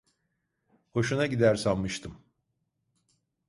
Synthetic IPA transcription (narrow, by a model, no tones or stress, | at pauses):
ho̞ʃunaɟid̪æɾsammɯʃt̪ʰɯm